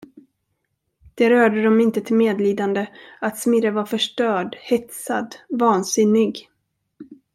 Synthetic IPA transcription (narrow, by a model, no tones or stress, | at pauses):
d̪̥ɛɾœːɖəd̪ɔmɪnt̪ət̪ʰɪlmeːd̪liːd̪and̪əat̪smɪɾəvaɾfœʂʈœːɖhɛt̪sa̰d̪vɑːnsɪnːɪɡ